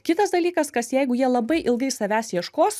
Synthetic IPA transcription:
kʲɪt̪ɐsd̪ɐlʲiːkɐskɐsjɛɪɡʊjiɛlˠɐbɐɪʔɪlˠɡɐɪsɐʋʲæːsjiɛʃkoːs

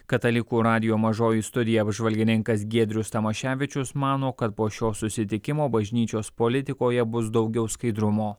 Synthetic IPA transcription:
kɐt̪ɐlʲɪkuːɾɑːd̪ʲɪjoːmɐʒoːjiˑst̪ʊd̪ʲɪjɛɐbʒʋɐlʲɡʲɪnʲɪŋkɐs̬ɡʲiɛd̪ʲɾʲʊst̪ɐmɐʃʲæːʋʲɪt͡ʃʲʊsmɑːnoːkɐt̪̚poːʃʲoːsʊsʲɪt̪ʲɪkʲɪmoːbɐʒʲnʲiːt͡ʃʲoːspolʲɪt̪ʲɪkoːjɛbʊsd̪ɒʊɡʲɛʊskɐɪd̪ɾʊmoː

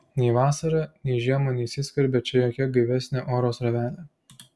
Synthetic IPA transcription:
nʲɛɪʋɑːsɐɾɐnʲɛɪʒʲiɛmɐnʲɛɪsʲɪsʲkɐɾʲbʲɛt͡ʃʲɛjoːkʲɛɡɐɪʋʲɛsʲnʲeʔoːɾoːsɾɐʋʲæːlʲeː

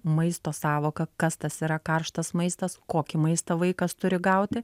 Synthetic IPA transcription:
mɐɪst̪oːsɑːʋoːkɐkɐst̪ɐsiːɾɐkɐrʃt̪ɐsmɐɪst̪ɐskoːkʲɪmɐɪst̪ɐʋɐɪkɐst̪ʊɾʲɪɡɐʊt̪ʲɪ

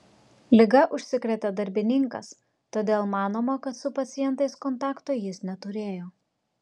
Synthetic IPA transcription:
lʲɪɡɐʔʊʃʲsʲɪkɾʲɛt̪ʲɐd̪ɐɾʲbʲɪnʲɪŋkɐ̰s | t̪oːd̪ʲeːlˠmɑːnoːmɐkɐt̪sʊpɐt̪sʲɪjɛnt̪ɐɪskɔnt̪ɑːkt̪ojɪsnʲɛt̪ʊɾʲeːjoː

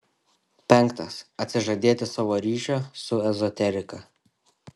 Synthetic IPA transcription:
pʲɛŋkt̪ɐsɐt̪ʲsʲɪʒɐd̪ʲeːt̪ʲɪsɑːʋoːɾʲiːʃʲɛsʊɛzɔt̪ʲɛɾʲɪkɐ

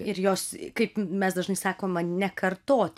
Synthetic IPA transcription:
ɪɾjoːskɐɪpmʲɛsd̪ɐʒnɐɪsɑːkoːmɐnʲɛkɐrt̪oːt̪ʲ

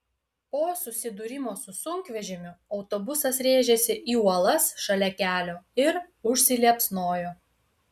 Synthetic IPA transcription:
poːsʊsʲɪd̪ʊɾʲɪmoːsʊsʊŋʲkʋʲɛʒʲɪmʲʊɒʊt̪obʊsɐsɾʲeːʒʲɛsʲɪʔiːuɔlˠɐsʃɐlʲɛkʲæːlʲoːɪɾ | ʊʃʲsʲɪlʲiɛpsnoːjoː

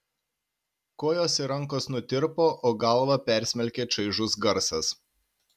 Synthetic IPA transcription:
koːjoːsʲiɾɐŋkoːsnʊt̪ʲɪɾpoːʔoːɡɐˑlˠlˠɐpʲɛˑɾʲsʲmʲɛlʲkʲeːt͡ʃɐɪʒʊsɡɐɾsɐs

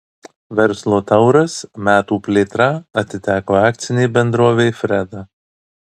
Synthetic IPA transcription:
ʋʲɛɾslˠoːt̪ɐʊɾɐsmʲæːt̪uːpʲlʲeːt̪ɾɑɐt̪ʲɪt̪ʲæːkoːɑːk̚t̪sʲɪnʲeɪbʲɛnd̪ɾoɔʋʲeɪfʲɾʲɛd̪ɐ

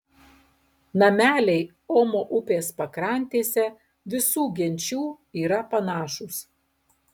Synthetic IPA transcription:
nɐmʲæːlʲɛɪ | oːmoʔʊpʲeːspɐkɾɐˑnʲt̪ʲeːsʲɛ | ʋʲɪsuːɡʲɛnʲt͡ʃʲuː | iːɾɐpɐnɑːʃʊs

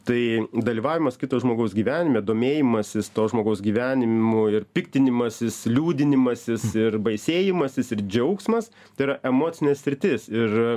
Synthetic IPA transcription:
t̪ɐɪd̪ɐlʲiːʋɑːʋʲɪmɐskʲɪt̪oːsʒmoːɡɐʊsɡʲiːʋʲæːnʲɪmʲɛːd̪oːmʲeːjɪmɐsʲɪst̪oːʒmoːɡɐʊsɡʲiːʋʲæːnʲɪmʊɪrpʲɪkt̪ʲɪnʲɪmɐsʲɪslʲuːd̪ʲɪnʲɪmɐsʲɪsɪrbɐɪsʲeːjɪmɐsʲɪsɪɾd͡ʒʲɛʊksmɐsɐɪɾɐʔɛmoːt͡ssʲɪnʲɛssʲɾʲɪt̪ʲɪsɪr

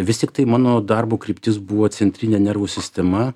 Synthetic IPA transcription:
ʋʲɪst̪ʲɪkt̪ɐɪmɑːnoːd̪ɐrbuːkɾʲɪːpʲt̪ʲɪsbʊʋoːsʲɛnʲt̪ʲɾʲinʲeːnʲɛrʋuːsʲɪsʲt̪ʲɛmɐ

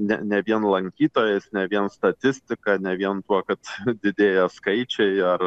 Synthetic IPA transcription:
nʲɛ̰nʲɛʋʲiɛnlˠɐŋʲkʲiːt̪oːjɛsnʲɛʋʲiɛnst̪ɐt̪ʲɪsʲt̪ʲɪkɑːnʲɛʋʲiɛnt̪uɔkɐt̪d̪ʲɪd̪ʲeːjɛskɐɪt͡ʃʲɛɪɐr

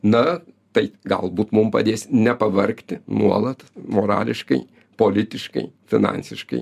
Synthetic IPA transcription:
nɐ | t̪ɐɪɡɐ̰lˠbuːt̪mʊmpɐ̰d̪ʲeːsʲnʲɛpɐʋɐɾʲkt̪ʲɪnuɔlˠɐt̪moːɾɑ̰ːlʲɪʃkɐɪ | poːlʲɪt̪ʲɪʃkɐ̰ɪfʲɪnɑ̰nʲsʲɪʃkɐ̰ɪ

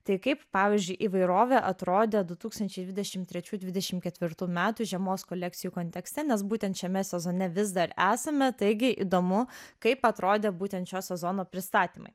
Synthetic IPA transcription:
t̪ɐɪkɐɪppɑːʋʲiɪːzʲd͡ʒʲʊɪʔiːʋɐɪɾoːʋʲeːʔɐt̪ɾoːd̪ʲeːd̪ʊt̪uːkst̪ɐnʲt͡ʃʲɛɪd̪ʲʋʲɪd̪ʲɛʃʲɪmt̪ʲɾʲɛt͡ʃʲuːd̪ʲʋʲɪd̪ʲɛʃʲɪmkʲɛt̪ʲʋʲɪɾt̪uːmʲæːt̪uʒʲɛmoːskolʲɛk̪̚sʲɪjuːkoːnʲt̪ʲɛksʲt̪ʲɛnʲɛsbuːt̪ʲɛnt̪ʃʲɛmʲɛsʲɛzoːnʲɛʋʲɪzd̪ɐɾæːsɐmʲɛt̪ɐɪɡʲɪʔḭd̪oːmʊkɐɪpɐt̪ɾoːd̪ʲeːbuːt̪ʲɛnt̪t͡ʃʲoːsʲɛzonoːpʲɾʲɪst̪ɑːt̪ʲiːmɐ̰ɪ

